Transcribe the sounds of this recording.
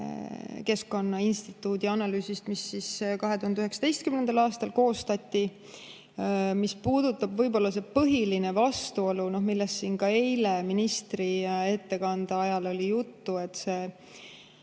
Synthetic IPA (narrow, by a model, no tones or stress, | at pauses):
ke̞sko̞nːɑinst̪it̪ːˑuːd̪iɑnɑlyːsist̪misːiskɑɦe̞t̪uhɑnd̪yɦe̞ksɑ̥d̪e̞jst̪kymnend̪̥ɑlɑːst̪ɑlko̞ːst̪ɑt̪ʲːi | mispuːd̪̥ut̪ːˑɑb̥vɤjbo̞lːɑs̬e̞pɤɦiline̞vɑst̪uo̞luno̞hmilːest̪siːnkɑe̞jle̞minist̪rie̞t̪ːe̞kɑnd̪̥ɑɑjɑlo̞lʲijut̪ːue̞t̪ːˑse̞ː